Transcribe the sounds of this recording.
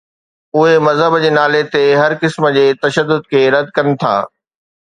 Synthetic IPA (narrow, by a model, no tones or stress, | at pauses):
ʊɦemɐzɦəbd͡ʑeːnaːlet̪eɦɐɾkɪsmə̆d͡ʑeːt̪ɐʃəd̪ːʊd̪̚kʰeːɾɐd̪̚kɐnɪ̆t̪ʰa̰ː